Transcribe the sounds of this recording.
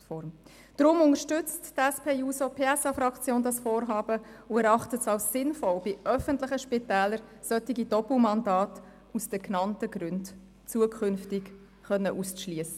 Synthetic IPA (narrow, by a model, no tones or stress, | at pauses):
fɔɾm | d̥ɾʊmʊnəʃtʏt͡sttɛspʰeːjuːsopʰeːɛsɑfɾɑkt͡sjoːndɑsfoːɾɦɑːb̥əʊɛɾɑχtətsɑlssɪnfɔlb̥ɪʔœfəntlɪχəʃpɪtɛːləɾsœtɪɡid̥ɔpl̩mɑndɑːt | usd̥əknɑntəɡɾʉnd | t͡suəkʰχʏnftɪk | χœnːəʔusʃliəsə